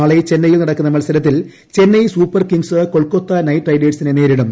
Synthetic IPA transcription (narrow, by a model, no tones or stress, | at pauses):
aːɭet͡ɕe̞nːɐjilnɐɽɐkːunːɐmɐɭsɐlɐt̪̬ːil | t͡ɕe̞nːɐjsuːpːɐrkiŋɡsɨko̞ɭko̞t̪ːɐnɐjʈrɐjdeːʈsinene̞ːɾiɽum